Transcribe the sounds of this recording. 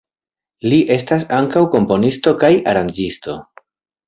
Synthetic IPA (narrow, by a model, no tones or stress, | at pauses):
liʔe̞stasaŋkawko̞mpo̞nisto̞kajaɾand͡ʒisto̞